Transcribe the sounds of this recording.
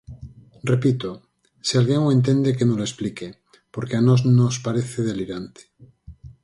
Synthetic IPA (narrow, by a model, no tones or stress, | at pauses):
repit̪o | sialɣjeŋoẽnt̪̬ẽnd̪ekenoloesplike | poɾkeanoznospaɾeθeðeliɾant̪e̥